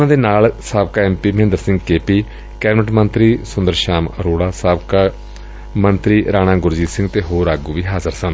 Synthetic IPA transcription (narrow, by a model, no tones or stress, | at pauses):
nãːd̪eːnaːlsaːbkaːɛːmpiːbəɦɪ̃nd̪əɾsɪ̃ŋɡkeːpiː | kɛːbnəʈmənt̪ɾiːsʊnd̪əɾʃaːmɾoːɽaːsaːbkaː | mənt̪ɾiːɾaːɽ̃ãːɡʊɾd͡ʒiːsɪ̃ŋɡt̪eːɦoːɾaːɡũːʋiːɦaːzəɾsən